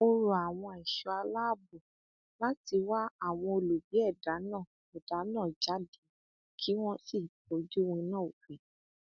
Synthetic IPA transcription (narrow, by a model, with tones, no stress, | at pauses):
o˧ɾu˧a˨w̃ɔ̃˧i˨ʃɔ˨˧a˧la˦˨bu˨ | la˦ti˧wa˦a˦˨w̃ɔ̃˧o˧lu˨bi˨˦ɛ˦˨da˨˦nãː˦˨ | ɛ˨d̥a˨˦nã˦˨d͡ʒa˨˦di˨˦ | kʰi˦w̃ɔ̃˦si˦˨po˨˦d͡ʒu˦wĩ˧nã˦˨o˨fĩ˨